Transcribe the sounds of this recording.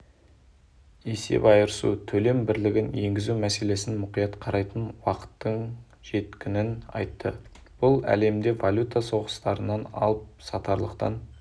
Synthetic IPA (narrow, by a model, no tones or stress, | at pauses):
e̞se̞̰pɑjəɾəsṵt̪ʰɵle̞mbɪɾlɪɡʲɪnje̞ŋɡʲɪzumæse̞le̞sɪnmʊqijɑt̪qʰɑɾɑjt̪ənwɑqə̥t̪ːəɴ | ʒ̥e̞t̪kʲʰɪnɪnɑ̰jt̪ːə | b̥ʊlˠæ̰le̞md̪e̞valʲut̪aso̞ʁəst̪ɑɾənɑnɑ̰lˠəp̚sɑt̪ɑɾlˠəqt̪ɑ̰n